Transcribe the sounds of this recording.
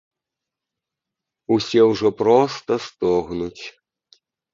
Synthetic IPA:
usʲɛwʐɔpɾɔst̪ɐst̪ɔɣnut͡sʲ

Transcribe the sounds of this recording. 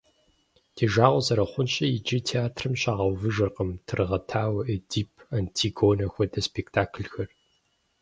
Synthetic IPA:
dʰeːʒaːʁʷʊzɐɾɐχʷʊnɕʼɐjɪd͡ʒitʰeaːtʰrɨmɕʼaːʁɐwvɨʒɐrqəmtʰɨrʁɐtʰaːwɐʔɨdiːpʰɐntʰiːɡoːnɐxʷɔdɐspʰektʰaːkʰɨlxɐr

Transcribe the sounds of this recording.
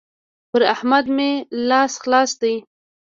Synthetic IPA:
pəɾahmad̪melɑsxlɑsd̪aj

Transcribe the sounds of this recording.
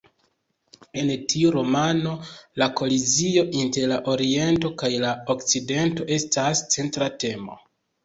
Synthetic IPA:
e̞ntʰiuɾo̞mano̞lako̞lizio̞ʔinte̞ɾlaʔo̞ɾie̞nto̞kajlaokt͡side̞nto̞ʔe̞stast͡se̞ntɾate̞mo̞̰

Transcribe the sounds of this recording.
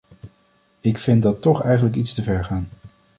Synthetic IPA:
ɪkfɪndɑtɔχɛjχənləkitstəvɛɹχaːn

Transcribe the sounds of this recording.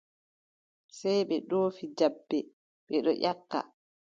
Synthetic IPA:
sajɓɛɗoːfid͡ʒabːɛ | ɓɛɗɔʔakːa̰

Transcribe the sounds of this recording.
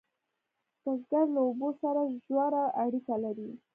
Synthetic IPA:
d̪̥azɡaɾlaobosaɾaʒwaɾaʔaɽikalaɾi

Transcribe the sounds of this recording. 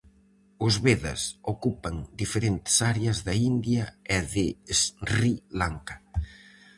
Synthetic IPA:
uzβeðɐ̰sokupɐŋd̪ifeɾent̪saɾeazðɐind̪jaɛðesrilaŋkḁ

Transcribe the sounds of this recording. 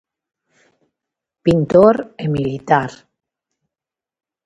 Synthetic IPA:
pint̪oɾemilit̪aɾ

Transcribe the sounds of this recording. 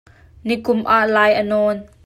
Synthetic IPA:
nikʊmʔaːʔlaːjʔənɔːn

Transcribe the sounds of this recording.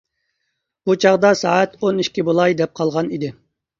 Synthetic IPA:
b̥ut͡ʃʰɑʁd̪ɑsɑːæt̪oniʃkʲibolˠɑjd̪ɛp̚qʰɑlˠʁɑnid̪ɪ

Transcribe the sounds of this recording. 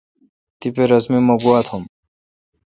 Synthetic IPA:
t̪ipeɾɐsmimɐɡuat̪ʰom

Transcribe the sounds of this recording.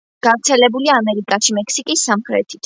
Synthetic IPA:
ɡ̥avɾt̪sʰɛlɛbuliaːmɛɾikʼaʃimɛkʰsikʼisːamχɾɛ̰t̪ʰi̥t̪ʰ

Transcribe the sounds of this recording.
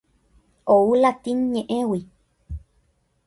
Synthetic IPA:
oulat̪iɲẽʔẽwi

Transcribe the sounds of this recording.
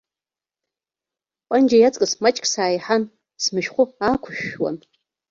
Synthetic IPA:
pʼand͡ʒajat͡sʼkʼɨsmat͡ʃʼkʰʼsaːjħan | smɨʃχʷʊaːkʷʰʊʃᶣwa̰n

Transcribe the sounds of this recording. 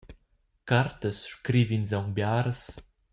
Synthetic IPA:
kart̪əsʃkɾivinzawŋbjaɾəs

